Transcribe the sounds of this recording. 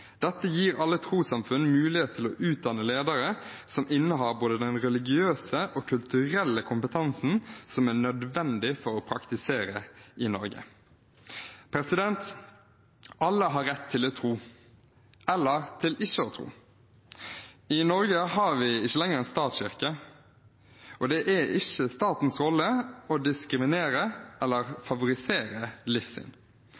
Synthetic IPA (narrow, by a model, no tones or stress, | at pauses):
d̪̥ɛt̪ːəjiːɾɑlːət̪ʰɾuːsɑmfʉnmʉːlɪeːt̪t̪ʰːɪlɔʔʉːt̪̚d̪ɑnːəleːd̪əɾəsɔmɪnːəɦɑːɾboːd̪əd̪ɛnʁɛlɪɡɪøːsəʔoːkʰʉlt̪ʉɾɛlːəkʰʊmpət̪ʰɑnsn̩sɔmæːɳœd̪ʋɛnd̪ɪfɔɾɔpʰɾɑkt̪ɪseːɾəɪnɔ̰ɾɡə̰ | pʰɾɛsɪd̪ɛnt̪ | ɑlːəɦɑɾɛt̪ʰːɪlɔt̪ʰɾuː | ɛlːəʁt̪ʰɪlɪçːəɔt̪ʰɾṵː | ɪnɔɾɡəhɑʋɪɪçːəlɛŋːəɾɛnst̪ɑːt̪sɪʁkə | ʔɔd̪ɛʔæɪçəst̪ɑːt̪n̩sɾɔlːəɔd̪ɪskɾɪmɪneːɾəʔɛlːəɾfɑʋʊɾɪseːɾəlɪfsɪ̰n